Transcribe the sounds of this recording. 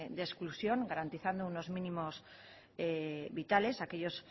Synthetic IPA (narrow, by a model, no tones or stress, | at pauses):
d̪esklusjo̞ŋɡaɾant̪iθand̪ouno̞zmĩnĩmo̞s | eβit̪ale̞sakeʎo̞s